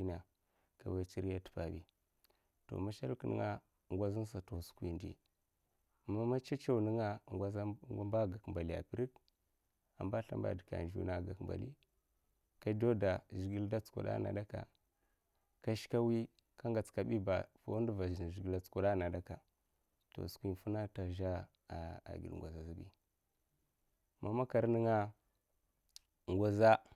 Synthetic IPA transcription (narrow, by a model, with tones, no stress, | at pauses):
i˦na˨ | ka̰˨wa˦t͡ʃi˦ɾja˦tpa˨bḭ˨ | to̰˨ma˦ʃa˦lknə̰˦ŋa˦ | ŋɡʷa˦zi˦n˦s̬a˨to˨su̥˦kʷḭ˨˦ndḭ˨ | ma˦ma˦t͡ʃa˦t͡ʃa˦u˨nə˦ŋa˦˨ŋɡʷa˦zɡa˦mba˦ɡa˨kmba˨li˨ja̰˨pi˨ɾi˦k | a̰˨mba˦ɬa̰˦mba̰˦˨di˨ka̰˨d͡ʒṵ˦na˨ɡa˨kmba̰˨lḭ˦ | ka˦do˦da˨ʒi˨ɡi˦lda˦t͡sṵ˨ɗa̰˦na̰˨da˦ka̰˨ | ka˦ʃka˦wi˦ | ka˦ŋɡa˨t͡ska˨ɓi˦ba˨fo˦ndva˨ʒɡi˨la˨t͡sku˨ɗa˦na˨da˦ka˨ | to̰˨skʷi˦n˨fu˦na˦ta˨ʒa˦˨ | a̰˨ɡḭ˨ŋ˨ɡʷa˨za˨zi˦bḭ˦ | ma˨ma˦ka˨ɾni˦ŋa˦ | ŋɡʷa˦za˦